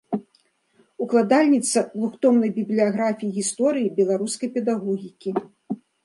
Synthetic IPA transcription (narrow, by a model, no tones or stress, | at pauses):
uklˠad̪alʲnʲit̪sɐd̪lˠuxt̪ɔmnɐjbʲiblʲiaɣɾafʲijiɣʲist̪ɔɾɨjibʲɛlˠaɾuskɐjpʲɛd̪aɣɔɣʲikʲi